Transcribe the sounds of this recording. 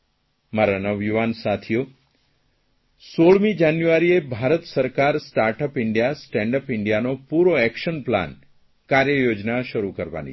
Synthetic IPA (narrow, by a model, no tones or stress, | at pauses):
maɾanəʋjuʋansat̪ʰijo | soɭmid͡ʒanjuʋaɾiebʱaɾət̪səɾkaɾsʈaɾʈəpɪɳɖijasʈɛ̃ɳɖəpɪɳɖijanopuɾoɛkʃənpla̰n | kaɾjəjod͡ʒnaʃəɾukəɾʋa̰nḭ